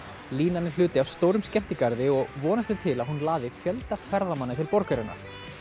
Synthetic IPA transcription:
liːnanːɪ̥l̥ʏːt̪ɪavst̪oːwɾʏmscɛm̥t̪ɪkaɾðɪɔɣvɔːnast̪ɪt̪ʰɪlaðɦunlaːðɪfjœlt̪afɛɾðamanːɪt̪ʰɪlpɔɾkaɾɪnːa̰ɾ̥

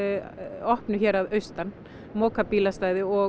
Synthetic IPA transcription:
ɔhpnʏçɛːɾaðœɥst̪anː | mɔːkapiːlast̪aːjðɪɔ

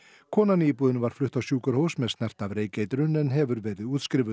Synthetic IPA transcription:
kʰɔːnaniːpuːðɪnvaɾ̥flʏht̪awsjuːkʏɾhoːwsmɛst̪nɛr̥t̪avɾeːjcejt̪ɾʏnɛnɦɛvʏɾvɛːɾɪðuːt̪skɾɪːvʏ

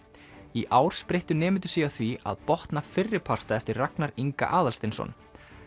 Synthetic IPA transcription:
iʔaːwɾ̥spɾejht̪ʏnɛːmɪnt̪ʏ̥sjɛɣaθvia̰ðpɔht̪nafɪrːɪpʰar̥t̪aɛft̪ɪrraknaɾiŋka̰ʔaːðalst̪ɪnsɔ̰n

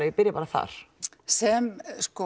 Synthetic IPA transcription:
apɪɾɪpaɾaθa̰ɾ̥ | sɛmskɔ

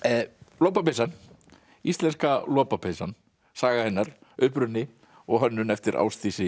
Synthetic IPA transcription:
loːwpapesan | ist̪lɛnskalɔːpapʰesan | saːɣahɛnːaɾ | ʏhpɾʏnːɪ | ɔɣɦœnːʏnɛft̪ɪɾʔa̰ːwst̪isɪ

